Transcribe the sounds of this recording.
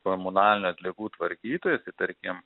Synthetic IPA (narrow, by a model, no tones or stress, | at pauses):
komʊnɑːlʲɪnʲuːɐt̪ʲlʲɪɡuːt̪ʋɐɾʲkʲiːt̪oːjɛsʲɪt̪ɐɾʲkʲɪm